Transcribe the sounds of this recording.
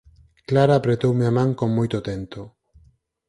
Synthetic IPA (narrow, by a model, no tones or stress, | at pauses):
klaɾaːpɾet̪owmeamãŋkoŋmojt̪ot̪ent̪o